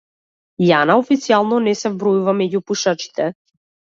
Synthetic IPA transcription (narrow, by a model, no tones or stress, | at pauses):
janaɔfit̪sialˠnɔnɛsɛvbɾɔjuvamɛɟupuʃat͡ʃi̥t̪ɛ